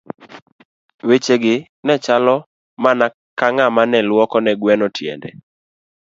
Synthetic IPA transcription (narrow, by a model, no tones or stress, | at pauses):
wet͡ʃeɡɪ | nɛt͡ʃalɔ | mana | kaŋamanɛlwɔkɔnɛɡwɛnɔtʰjḛndḛ